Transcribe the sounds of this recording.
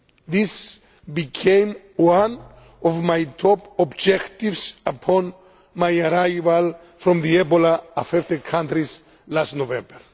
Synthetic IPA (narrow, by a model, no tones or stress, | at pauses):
ðis | bikʰẽm | wãn | ɔvmajt̪ʰɔpɔbd͡ʒɛkt̪ivsapʰɔ̃n | majaɾajval | fɾɔ̃mðiɛbolaafɛft̪ekʰãnt̪ɾis | lastnovɛ̃mbəɹ